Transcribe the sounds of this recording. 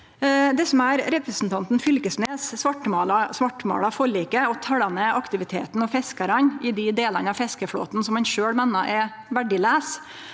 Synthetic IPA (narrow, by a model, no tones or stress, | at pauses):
d̪ɛsɔmæːɾɾɛpɾɛsn̩t̪ʰɑnt̪n̩fʏlkəsneːssʋɑʈːəmɑːlɑsʋɑʈːəmo̰ːɽɑfɔɭiːkəɔt̪ʰɑɽɑnəʔɑkt̪ɪʋɪt̪ʰḛːt̪n̩ɔfɛskəɾɑnɪd̪ɪd̪eːlənɑfɛskəfɽo̰ːt̪nsɔmhɑnʃøːɽmɛːnːɑʔɛ | ʋæɖɪlæːs